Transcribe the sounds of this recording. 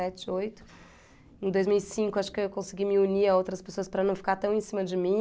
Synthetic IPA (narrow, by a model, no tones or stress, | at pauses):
ɛt͡ʃɪojt̪ʊ̥ | ẽd̪ojzmiwisĩkʊaʃʊ̥kɪewkõsɪɡimɪuniɐowt̪ɾɐspesoɐspɾɐnɐ̃w̃fi̥kaɾt̪ɐ̃w̃ẽsĩmɐd͡ʒɪmĩ